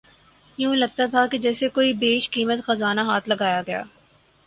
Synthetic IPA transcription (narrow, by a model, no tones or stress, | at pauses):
jũːlɐɡ̚t̪at̪ʰaked͡ʒɛːsekoːibeːʃkiːmət̪xɐzaːnaɦaːt̪ʰlɐɡaːjaɡɐja̰ː